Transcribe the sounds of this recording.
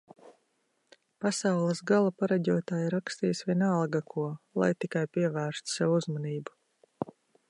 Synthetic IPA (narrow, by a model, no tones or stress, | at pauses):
pasawlˠəsɡalˠapaɾaɟʲuɔt̪aːjiɾakst̪iːjsʋʲiɛnalˠɡakʰuɔlˠa̰jt̪ikajpiɛvæːɾst̪sɛvuuzmaniːbu